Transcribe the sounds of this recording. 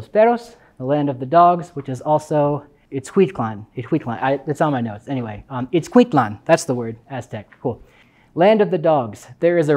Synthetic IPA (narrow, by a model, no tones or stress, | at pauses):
spɛɾoʊs | ðəlæ̃ndʌvðɨdɔɡzwɨt͡ʃɨzɔlˠsoʊ | ɨtskʰw̥ĩt̚kʰl̥ãnɨt̚kʰwĩt̚kl̥ãnaɪɨts̩maɪnoʊtsɛniweɪɨtskʰw̥ĩntlɑ̃nðætsðəwɜ˞dæstʰɛk̚kʰulˠ | læ̃ndʌvðɨdɔɡz̥ðə˞ɨzɨ